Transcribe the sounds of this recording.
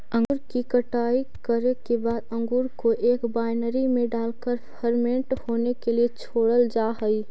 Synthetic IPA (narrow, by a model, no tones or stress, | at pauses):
ə̃ŋɡuɾkikəʈaːikəɾekebaːd̪ə̃ŋɡuːɾkoʔeːkbaːɪnəɾimẽɖaːlkəɾpʰəɾmẽɳʈhoːnekeliet͡ʃʰoːɽəld͡ʒaɦəi